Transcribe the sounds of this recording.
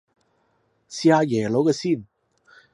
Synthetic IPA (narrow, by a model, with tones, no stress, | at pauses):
siː˧aː˧jɛː˨˩lo˨˥wkɛː˧siː˥˩n